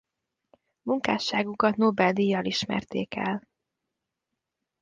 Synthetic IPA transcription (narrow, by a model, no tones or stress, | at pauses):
muŋkaːʃːaːɡukɒt̪nobɛld̪ijɒliʃmɛ̰rt̪ḛːkɛ̰l